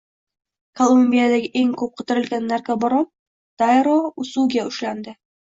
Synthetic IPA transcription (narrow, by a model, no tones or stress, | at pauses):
kolˠumʲbʲijad̪aɡʲɪʔeŋkʰɵp̚qʰŏt̪ɘ̆ɾɘ̆lɡʲanːæɾkabɒɾɑp̚ | d̪̥ajɾousuɡʲaɵʃland̪ɪ